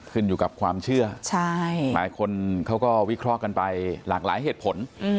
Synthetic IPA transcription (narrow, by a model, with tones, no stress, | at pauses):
kʰɯ˥˩njuː˨˩ka˨˩p̚kʰwaː˧mt͡ɕʰɯ˥˩ɐt͡ɕʰa˥˩jlaː˩˦jkʰo˧nkʰa˦˥wkɔː˥˩wi˦˥kʰɾɔː˥˩ka˧npa˧jlaː˨˩k̚laː˩˦jɦeː˨˩t̪̚pʰo˨˦n˧